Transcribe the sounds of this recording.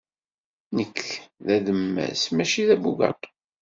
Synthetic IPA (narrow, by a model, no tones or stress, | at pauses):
nəkʰːðæðəmːæ̰smæʃiðæbuɡɑ̰t̪ˤ